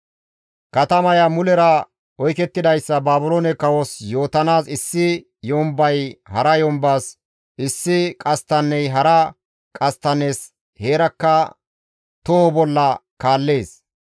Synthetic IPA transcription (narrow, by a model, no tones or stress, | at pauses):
kɐt̪ɐmɐjɐmʊlɛɾɐ | ɔjkɛt̪ːɪd̪ɐjsːɐbaːbʊloːnɛkɐwɔsjo̞ːt̪ɐnaːsɪsːɪ | jɔmbɐjhɐɾɐjɔmbaːs | ʔɪsːɪkʼɐst̪ːɐnːɛjɦɐɾɐ | kʼɐst̪ɐnes | he̞ːɾɐkːɐ | t̪ɔhɔbɔlːɐkaːlːe̞ːs